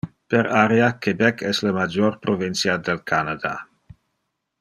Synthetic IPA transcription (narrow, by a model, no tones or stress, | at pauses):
peɾaɾjakebɛkʰɛsləmad͡ʒoɾpɾovinsjad̪elkʰanad̪a̰